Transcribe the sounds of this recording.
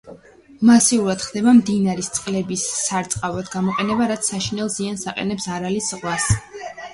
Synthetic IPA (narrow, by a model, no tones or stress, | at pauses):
masiuɾad̪̥χd̪ɛbamd̪inaɾist̪sʼqʼlɛbisːaɾt̪sʼqʼavad̪ɡamɔqʼɛnɛbaɾat̪sʰːaʃinɛlˠziansaqʼɛ̰nɛpsaɾalisʁwas